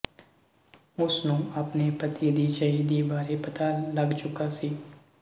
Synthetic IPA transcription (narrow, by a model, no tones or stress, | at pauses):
ʊsnũɐpnepɐt̪id̪it͡ʃaɦid̪ibaːɾepɐt̪alɐɡt͡ʃʊkasiː